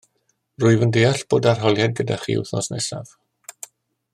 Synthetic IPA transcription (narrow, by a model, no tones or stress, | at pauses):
rʊɨvəndejaɬb̥oːdarɦɔlˠjad̚ɡəda̰χḭṵwθnɔsnɛsa̰v̥